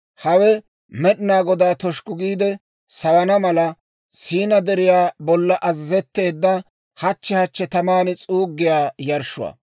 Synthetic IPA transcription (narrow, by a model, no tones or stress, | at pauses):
hɐwɛ | mɛɗɪnaːɡɔd̪aːt̪ɔʃkʼʊɡiːd̪ɛ | sɐwɐnɐmɐlɐ | siːnɐd̪ɛɾɪjaːbɔlːɐʔɐzːɛt̪ːe̞ːd̪ːɐ | hɐt͡ʃːɛhɐt͡ʃːɛt̪ɐmaːnɪt͡sʼuːɡːɪjaːjɐɾʃʊ̰wɐ̰ː